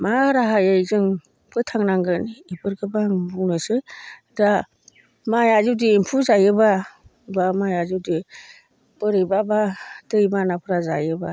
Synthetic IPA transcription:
maɾaɦajɯjzɯŋ | pʰɯtʰaŋnaŋɡɯnipɯɾɡɯbaŋbuŋnɯsɯ | da | majazuwdiːmpʰuzajɯba | bamajazɯdi | b̥ɯɾɯjbabadɯjbanapʰɯɾaza̰jɯba

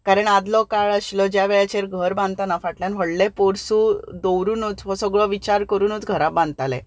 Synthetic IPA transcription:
kaɾəɳad̪lɔkaɭəɕlɔd͡ʑjaʋɛɭat͡ɕeɾɡʱəɾbãnd̪t̪anafaʈljãnʋ̤əɽlɛ̃poɾsuːd̪owɾuːnut͡sʋɔsəɡɭɔʋit͡ɕaɾkəɾuːnut͡sɡʱəɾabãnt̪alɛ̰̃

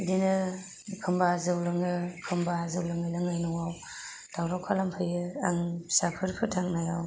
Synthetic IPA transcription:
dinɯ | kʰɯmbazɯwlɯŋɯkʰɯmbazɯwlaŋajlaŋajnɔŋaw | d̥awɾɔkʰalampʰɯjɯaŋsapʰɯɾpʰɯtʰaŋnajaw

